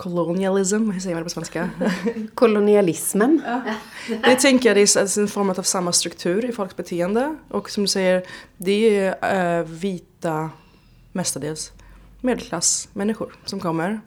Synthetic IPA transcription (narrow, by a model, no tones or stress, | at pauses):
kʰʊlʊnɪalɪs̬msɛjːəmand̪ɛpɔsvɛnska | kʰʊlʊnɪalɪsmən | d̪ɛt̪ʰɛŋkəjad̪ɛssɛnfɔɾmət̪avsamːast̪ɾɵkt̪ʰʉ̟ːɾɪfɔlksbɛt̪ʰeːənd̪əʔɔksɔmd̪ɵsɛjːəɾd̪ɛ | viːt̪a | mɛst̪əɖeːls | meːd̪əlkʰlasmɛnːɪɧʊɾsɔmkʰɔmːəɾ